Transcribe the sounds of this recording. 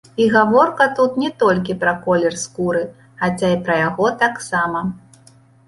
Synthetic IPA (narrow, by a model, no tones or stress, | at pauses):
iɣavɔrkɐt̪ut̪nʲɛt̪ɔlʲkʲipɾɐkɔlʲɛrskuɾɨ | xat͡sʲaipɾɐjaɣɔt̪aksamɐ